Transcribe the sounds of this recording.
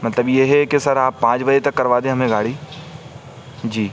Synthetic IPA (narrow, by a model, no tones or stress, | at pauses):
mɐt̪ləbjeɦɛkesɐɾaːpːãːt͡ʃbɐd͡ʒet̪ɐkːɐɾʋaːd̪ẽɦɐmẽɡaːɽiː | d͡ʒiː